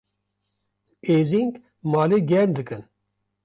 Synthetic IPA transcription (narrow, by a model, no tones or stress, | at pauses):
eːziŋk | mɑːleɡɛɾmd̪ɨkɨn